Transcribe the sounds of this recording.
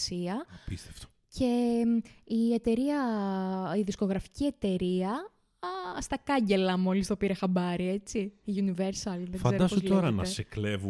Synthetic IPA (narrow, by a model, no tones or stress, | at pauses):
siɐpist̪eft̪o̥ | cʰe̞ | ie̞t̪e̞ɾiɐ | iðisko̞ɣɾɐfi̥cie̞t̪e̞ɾiɐ | st̪ɐkɐɲɟe̞lɐmo̞list̪o̞piɾe̞xɐbɐɾie̞t͡siiuniveɾsɐlðeɡfɐzed̪oɐspooltoɾɐenɐ̰eseklevu